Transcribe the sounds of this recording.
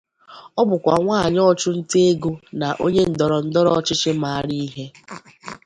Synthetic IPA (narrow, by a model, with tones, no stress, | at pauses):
ɔ˦bʊ˨kʷa̰˨ŋʷaː˦˨ɲɔ˦t͡ʃʊ˦n̩˦te˦e˦ɡu˦na˨ʔo˦ɲe˦n̩˨dɔ˨ɾɔ˨n̩˦dɔ˦ɾɔ˨˦t͡ʃɪ˦t͡ʃɪ˦ma˨a˦ɾi˦i˦ɦe˦